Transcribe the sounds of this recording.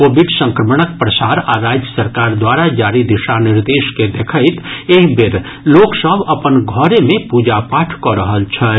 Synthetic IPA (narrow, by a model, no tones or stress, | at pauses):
koːbɪɖsə̃ŋkɾəməɳək̚pɾəsaːɾaɾaːd͡ʒjəsəɾkaːɾd̪waːɾad͡ʒaːɾid̪ɪʃanɪɾd̪eːʃked̪ekʰəɪt̪eːkbɪɾ | loːksəbɐpənɡʱɔɾemẽpuːd͡ʒapaːʈʰkɔɾəɦəlt͡ʃʰɛ